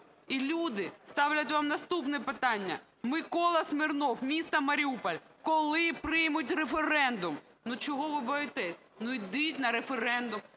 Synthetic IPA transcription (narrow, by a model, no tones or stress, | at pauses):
ilʲud̪ɪst̪ɑwlʲɐt̬ʲʋɑmnɐst̪upnɛpɪt̪ɑnʲːɐ̰ | mɪkɔlˠɐsmɪrnɔwmʲist̪ɐmɐɾʲiupɐlʲ | kɔlˠɪpɾɪjmʊtʲrefeɾɛnd̪ʊm | nʊt͡ʃɔɦɔʋɪbɔjɪt̪ɛsʲ | nʊid̪ɪjtʲnɐɾefeɾɛnd̪ʊm